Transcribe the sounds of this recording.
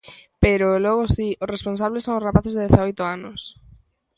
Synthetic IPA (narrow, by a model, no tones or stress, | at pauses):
peɾolɔɣosiʊsrespons̬aβlesːoŋʊrapaθezðeðeθaojt̪ʊanʊs